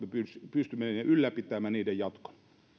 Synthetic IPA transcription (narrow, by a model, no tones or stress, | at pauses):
mepyspyst̪ymːenneylːæpit̪ːˑæˑmæːniːdejjɑt̪ko̥n